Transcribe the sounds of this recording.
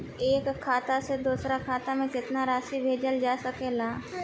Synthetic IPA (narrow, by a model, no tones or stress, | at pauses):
eːkʰːaːt̪ased̪uːsɾakʰaːt̪amẽkɪt̪naɾaːʃibʱeːd͡ʒəld͡ʒaːsəkeːlaː